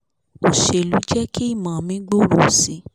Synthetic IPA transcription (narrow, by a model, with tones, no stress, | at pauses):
o˨ʃe˨lu˨˦d͡ʒɛ˦ki˦i˦˨mã˨mĩ˦ɡ͡bo˦˨ɾo˨si˨˦